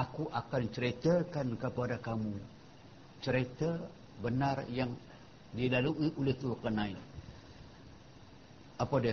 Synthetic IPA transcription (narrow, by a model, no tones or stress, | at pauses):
akuʔakant͡ʃəɾet̪əkankəpadakamu | t͡ʃəɾet̪ə | bənarjaŋ | dilaluiʔolɪht̪ulkənãi | apadi